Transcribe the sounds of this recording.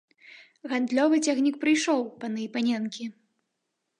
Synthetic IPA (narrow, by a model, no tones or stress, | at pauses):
ɣand̪lʲɔvɨt͡sʲaxnʲikpɾɨjʂɔwpɐnɨjpanʲɛnkʲi